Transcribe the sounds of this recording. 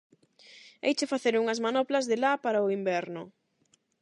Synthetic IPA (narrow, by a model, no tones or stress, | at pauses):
ḛjt͡ʃefaθeɾuŋɐzmanɔplɐzðelapaɾaʊimbɛɾnʊ̰